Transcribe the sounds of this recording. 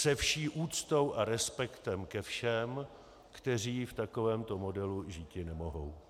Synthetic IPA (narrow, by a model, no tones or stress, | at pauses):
sɛfʃiːʔuːt͡st̪o̞wʔaɾɛspɛkt̪ɛmkɛfʃɛm | kt̪ɛr̝iːft̪ako̞vɛːmt̪o̞mo̞dɛluʒiːcɪnɛmo̞ɦow